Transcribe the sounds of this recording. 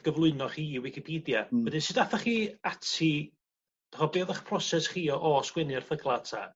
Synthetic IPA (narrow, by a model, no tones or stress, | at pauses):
ɡ̥əvlˠʊɨnɔχiːwɪkʰipʰiːdjawədɪnsɨdafaχiːatʰi | d̥ɔχɔbeːðaχpʰrɔsɛsχiːɔʔɔskwɪnɪrfəɡlˠatʰa̰